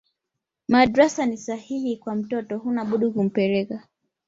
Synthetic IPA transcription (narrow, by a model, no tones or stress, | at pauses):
maɗɾasanisahihikwam̩tɔtɔhunaɓuɗukum̩pɛɾɛka